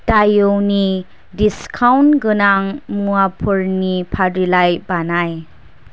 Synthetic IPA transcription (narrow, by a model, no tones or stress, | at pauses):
tajɯwni | diskʰawnɡɯnaŋmuapʰuɾnipʰadilajbanaj